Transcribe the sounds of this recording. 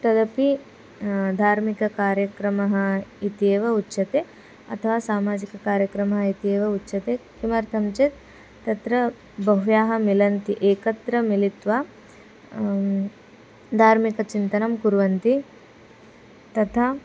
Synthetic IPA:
t̪ɐd̪ɐpi | d̪ʱaːɾmikɐkaːɾjɐkɾɐmɐɦɐ̆it̪eːʋɐutːʃɐt̪eː | ɐ̰t̪ʰɐʋaːsaːmaːd͡ʒikɐkaːɾjɐkɾɐmɐɦɐit̪ieːʋɐutːʃɐt̪eːkimɐɾt̪ʰɐmt͡ʃet̪ | t̪ːɐt̪ɾɐ | bɐɦjaːɦɐmilɐnt̪iʔeːkɐt̪ɾɐmilit̪ʋaː | d̪ʱaːɾmikɐt͡ʃint̪ɐnɐmkuɾʋɐnt̪i | t̪ɐt̪ʰaː

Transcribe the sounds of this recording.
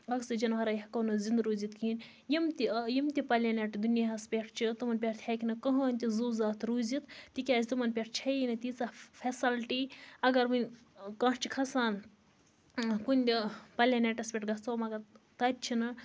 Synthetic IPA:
ɐksid͡ʒɐnʋɐɾɐjɦɐkɐwnɐzind̪ɾuːzit̪kʰiːnʲ | jimt̪ijimt̪ipɐlʲanʲaʈd̪unjaɦɐspʲeʈʰt͡ʃʰit̪ɨmɐnpʲeʈt̪ʲʰhɐkʲinɐkɐɦɐɐnʲt̪ʲizuːzaːt̪ʰɾuːzit̪t̪ikʲaːzʲit̪ɨmɐnpʲeʈʰt͡ʃʰɐjinɐt̪ʲit͡safʰesɐlʈiɐɡɐɾmɨnʲ | kɐ̃ʂt͡ʃʰi̥kʰɐsaːn | kunʲd̪ʲipɐlʲːanaːʈɐspʲeʈɡɐst͡sʰoːmɐkɐt̪ɐt̪̚ʲt͡ʃʰinɐ

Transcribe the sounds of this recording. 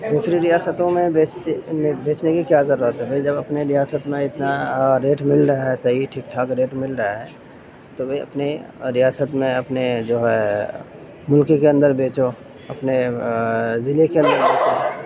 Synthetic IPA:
d̪uːsɾiɾɪjaːsət̪õmẽbeːt͡ʃt̪enbeːt͡ʃnekikjazəɾuɾət̪ɦɛbəd͡ʒɐbɐpneɾɪjaːsət̪mẽɪt̪naɾeːʈmɪlɾɐɦaɦɛsɐɦiʈʰiːk̚ʈʰaːkɾeːʈmɪlɾɐaɦɛː | t̪oʋeɐ̰pneɾɪjaːsət̪mẽɐpned͡ʒoːɦɛ | mʊlkkeɐ̃nd̪əɾbeːt͡ʃo | ɐpne | zɪlekeɐ̃nd̪əɾbeːt͡ʃo

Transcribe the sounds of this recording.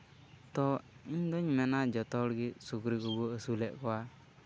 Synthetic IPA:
t̪ɔiɲd̪ɔɲmɛnad͡ʒɔt̪ɔɽɡisukɾiɡubuəsulɛʔkɔwa

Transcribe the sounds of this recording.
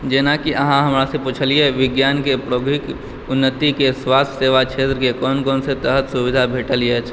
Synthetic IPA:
d͡ʒeːnakiʔəɦãɦɐmɾasepuːt͡ʃʰəlieʋɪɡjaːnkepɾoːɡɪk | ʊnːət̪ikeswaːst̪ʰjə̥seːʋakt͡ʃʰeːt̪ɾəkekɔːnkɔːnset̪əɦət̪sʊʋɪd̪ʱabʱeːʈəlijɛt͡ʃʰ

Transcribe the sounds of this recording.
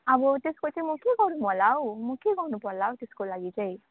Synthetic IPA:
ʌbʌt̪eskot͡sãĩmʌkeɡʌɾumolaomʌkeɡʌrnupʌɾlaot̪eskolaɡit͡sãĩ

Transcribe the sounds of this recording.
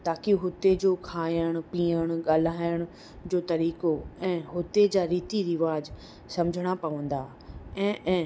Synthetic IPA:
t̪aːkiɦʊt̪ed͡ʑoːkʰaːjəɽ̃piːəɽ̃ɠaːl̤aːɪjəɽ̃ʊ | d͡ʑoːt̪ɐɾiːkoɛ̃ːɦʊt̪ed͡ʑaːɾiːt̪iɾɪʋaːd͡ʑ | sɐmd͡ʑʱəɽ̃apɐʋə̃n̆d̪aː | ɛ̃ːʔɛ̃ː

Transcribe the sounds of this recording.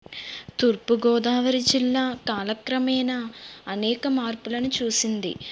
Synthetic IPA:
t̪uɾpuɡɔːd̪aːʋɐɾid͡ʒilːaːkaːlɐkɾɐmɛjnɐɐnɛːkɐmaːɾpulɐnut͡ʃuːsind̪ḭ

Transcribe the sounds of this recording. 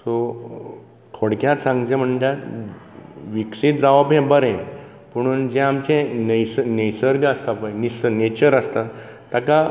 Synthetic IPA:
so | t̪ʰoɽkjat̪sãŋɡd͡ʑem̤əɳd͡ʑat̪ | ʋiksit̪d͡zaʋəpɦɛ̃bəɾɛ̃ | pəɽ̃uːnd͡ʑɛ̃amt͡ɕẽnəjsənejsəɾɡəst̪apəjnisənet͡ɕəɾəst̪a | t̪ːaka

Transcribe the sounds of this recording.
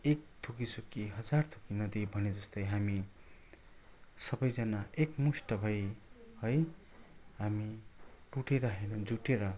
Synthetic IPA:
ek̚t̪ʰukisʰukiɦʌd͡zart̪ʰu̥kinʌd̪ibʱʌned͡zʌst̪ʌjɦami | sʌbʌjd͡zʌnaekmusʈʌbʱʌjhʌj | ɦamiʈuʈeɾʌɦenʌd͡zuʈeɾʌ

